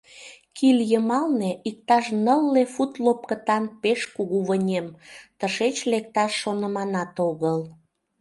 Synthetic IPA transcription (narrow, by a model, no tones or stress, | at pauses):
kiljəmɑlneʔik̚t̪ɑʃnəlːefut̪lop̚kət̪ɑnpeʃkuɣuβənʲemt̪əʃet͡ɕlek̚t̪ɑʃːonəmɑnɑt̪oɣəl